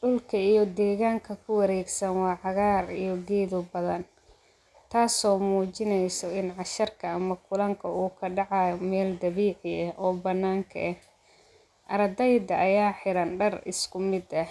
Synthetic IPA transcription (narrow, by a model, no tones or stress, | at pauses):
ɖʊlkʰɐijɞd̪ɛːɣaːŋkʰɐkʰʊwɐɾɛːɡsɐnwɑːʕɑɣaːrijɞɡɛːðʊbɐðɐn | t̪ʰaːsɔːmuːt͡ʃɪnɛjsɔɪnʕɑʃɐrkʰɐːmɐkʰʊlɐŋkʰɐuːkʰɐɖɑʕɑjɔmɛːld̪ɐβiːʕɪɛhʔɔːbɐnːaːŋkʰɐ̰ʔɛh | ʔɐɾd̪ɛjd̪ɐʔːjaːħɪɾɐnɖɐrɪ̰skʰʊmɪd̪ɐh